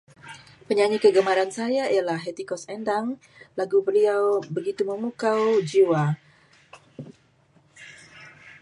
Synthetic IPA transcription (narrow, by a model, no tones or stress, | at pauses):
pəɲaɲikəɡəmaɾansajaijalahɦet̪ikɔsɛndaŋ | laɡubəliawbəɡit̪uməmukawd͡ʒiwa